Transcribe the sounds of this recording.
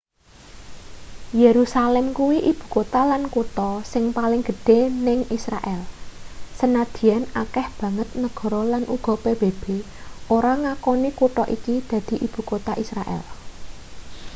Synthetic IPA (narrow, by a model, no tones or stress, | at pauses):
jeɾusalɛmkuwiʔib̥ṳkot̪alankut̪ɔsɪŋpalɪŋɡ̥ə̤ɖ̥e̤nɪŋisɾa̰ʔɛlsənad̪̥i̤janakɛhb̥ä̤ŋət̪̚nəɡ̥ɔ̤ɾɔlanʔuɡ̥ɔ̤peb̥eb̥e | ʔoɾaŋakɔnikuʈɔʔikid̪̥ä̤d̪̥i̤ʔib̥ṳkot̪aʔisɾaʔɛ̰l